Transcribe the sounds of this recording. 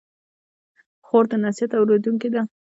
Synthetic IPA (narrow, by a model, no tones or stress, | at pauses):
xoɾd̪ənasijat̪awɾed̪uŋkid̪a